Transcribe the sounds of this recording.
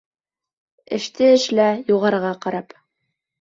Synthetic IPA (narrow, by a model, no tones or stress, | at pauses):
ɘ̆ʃt̪ɘɘ̆ʃlæjuʁɑɾʁɑqɑɾɑp